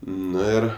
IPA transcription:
ˈnʊ ɪr

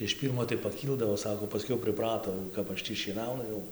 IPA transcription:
ɪʃ ˈpʲiːrmoː tɐɪ pɐˈkʲiːlˠdɐʋoː ˈsɑːkoː pɐˈsʲkʲɛʊ pʲrʲɪˈprɑːtoː jɛʊ ˈkɐp ˈɐʃ ˈtʲiː ʃʲiɛˈnɐʊnʊ ˈjɛʊ

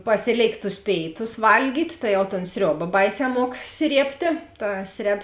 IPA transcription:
ˈpɑːsʲɪˌlʲeːɪkt tʊs ˈpʲeːɪˌtʊs ˈʋɐlʲɡʲiːtʲ tɐɪ jɛʊ toːn ˈsʲrʲoːbɐ ˈbɐɪˌsʲɛː ˈmuɔk ˈsʲrʲiɛpʲtʲeː ˈtɐ ˈsʲrʲɛp

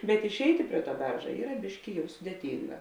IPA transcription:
bʲɛt ɪʃʲˈɛɪtʲɪ ˈpʲrʲiɛ ˌtuɔ ˈbʲɛrʒɐ ˈiːrɐ ˈbʲɪʃʲkʲɪ ˈjɛʊ sʊdʲeːˈtʲiːŋɡɐ

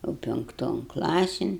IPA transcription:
jɛʊ pʲɪŋkˈtoːn ˈklˠɑːsʲɪn

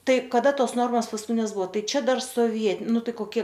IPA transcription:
ˈtɐɪ kɐˈdɐ ˈtoːs ˈnoːrmoːs ʋʲɪsuː pɐskʊˈtʲɪnʲɛs ˈbʊʋoː ˈtɐɪ ˈt͡ʃʲɛ ˈdɐr soːʋʲiɛ ˈnʊ ˈtɐɪ koːˈkʲiɛ

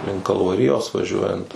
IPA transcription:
ˈlʲɪŋk kɐlˠʋɐˈrʲɪjoːs ʋɐˈʒʲuɔjɛnt

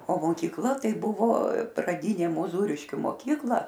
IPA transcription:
oː moːkʲiːkˈlˠɐ ˈtɐɪ ˈbʊʋoː prɐˈdʲiːnʲeː mʊˈzuːrʲɪʃʲkʲʊ moːˈkʲiːklˠɐ

